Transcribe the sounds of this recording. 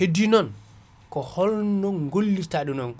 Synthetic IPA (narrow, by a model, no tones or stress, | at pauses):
hedinɔn | kɔhɔlnɔnɡolːitaɗunɔn